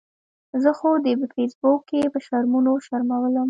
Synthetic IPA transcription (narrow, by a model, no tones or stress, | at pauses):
zəxod̪əpəfesbokːeepəʃaɾmunoʃaɾmawələm